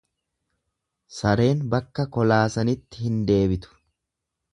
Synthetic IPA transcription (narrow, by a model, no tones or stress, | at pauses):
sɐɾe̞ːnbɐkːɐkɔlaːsɐnɪt̪ːɪhɪnd̪e̞ːbɪt̪ʊ̥